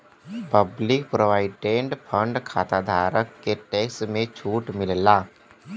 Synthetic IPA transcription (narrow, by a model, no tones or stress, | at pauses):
pəblɪk̚pɾoʋaːɪɖẽːɳɖpʰə̃ɳɖkʰaːt̪ad̪ʱaːɾəkːeʈeːksmẽt͡ʃʰuːʈmɪllaː